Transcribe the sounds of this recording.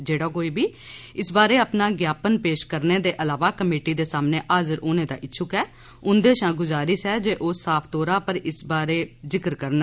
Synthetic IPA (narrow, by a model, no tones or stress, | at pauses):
d͡ʒeːɽaːkoːiːbiː | ɪsbaːɾeːəpnaːɡjaːpənpeːʃkəɾneːd̪eːʔəlaːʋaːkəmeːʈiːd̪eːsaːmneːʔaːzəɾʔoːnẽːd̪a̰ːʔɪtːʃʰʊkɛː | ʊnd̪eːʃãːɡʊzaːɾɪʃɛːd͡ʒeːʔoːsaːpʰt̪oːɾaːpəɾɪsbaːɾeːzɪkəɾkəɾn